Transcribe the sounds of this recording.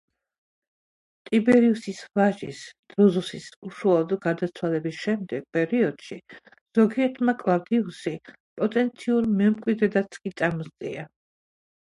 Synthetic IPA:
t̪ʼibɛɾiusisvaʒḭsd̪̥ɾɔzusisuʃualˠɔd̪ɡaɾd̪at̪sʰwalɛbisʃɛmd̪ɛɡ̥̚pʼɛɾiɔd̪̥ʃi | z̥ɔɡiɛɾt̪ʰmakʼlˠaɾd̪iusi | pʼɔt̪ʼɛnt̪sʰiuɾmɛmkʼwid̪ɛd̪at̪sʰkʼit̪sʼamɔzt̪ʼḭa

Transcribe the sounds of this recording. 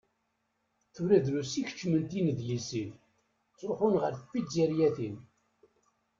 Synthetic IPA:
θuɾæðɾusiçə̥t͡ʃːmənt̪inðjəlsin | t͡sːˤɾoχʊnʁəɾθəfiziɾjæθin

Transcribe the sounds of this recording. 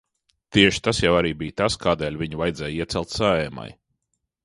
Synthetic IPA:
t̪iɛʃi̥t̪asjawaɾiːbijt̪askaːd̪ɛːlʲviɲuvajd̪zɛːjiɛsɛlˠt̪saɛma̰j

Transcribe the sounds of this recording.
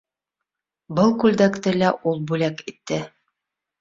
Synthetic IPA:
bɤlˠkʉld̪ækt̪ɘlæʔulˠbʉlækit̪ːɘ

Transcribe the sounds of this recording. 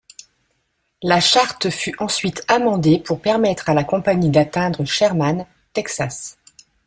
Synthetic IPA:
laʃaʁt̪fyʔɑ̃sɥit̪ʰamɑ̃d̪epʰuʁpɛʁmɛt̪χalakɔ̃paɲid̪at̪ɛ̃d̪ʁəʃɛʁman | t̪ɛksas

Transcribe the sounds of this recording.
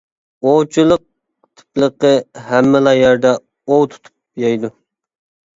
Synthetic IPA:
owt͡ʃʰulˠəq̚ | t̪ʰɨ̥plˠəqəɦæmːɪlˠɑjɛɾd̪ɛ | owt̪ʰu̥t̪ʰu̥p̚jɑjd̪u

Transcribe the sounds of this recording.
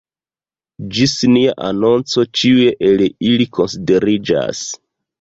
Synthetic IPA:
d͡ʒisniaʔano̞nt͡so̞t͡ʃiue̞ʔeliliko̞nside̞ɾid͡ʒa̰s

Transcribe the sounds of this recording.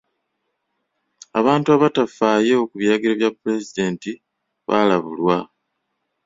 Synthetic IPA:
a̰βaːntuaβatafaːjeokuβjɾaɡiɾaβjapːule̞zide̞ːnti | βaːlaβṵlwa

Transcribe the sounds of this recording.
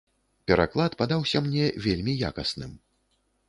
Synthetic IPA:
pʲɛɾa̰klˠat̪pad̪awsʲɐmnʲɛvʲelʲmʲija̰kɐsnɨm

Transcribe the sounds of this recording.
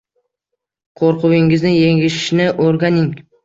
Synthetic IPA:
qʰoɾqʰʊwɪŋɪznɪjeŋɪʃɪ̥ʃnɪʔoɾɡanɪŋ

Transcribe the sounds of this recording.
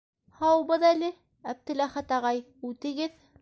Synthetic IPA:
hɑwɤ̆bɤðælɘ | æp̚t̪ɘ̆læχæt̪ɑʁɑj | ʉt̪ɘ̆ɡɘð

